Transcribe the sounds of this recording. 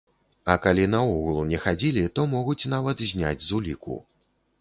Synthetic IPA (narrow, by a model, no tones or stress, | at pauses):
ɐkalʲinɐuɣlˠnʲɛxad͡zʲilʲit̪ɔmɔɣut͡sʲnavɐt̪zʲnʲa̰d͡zʲzulʲikṵ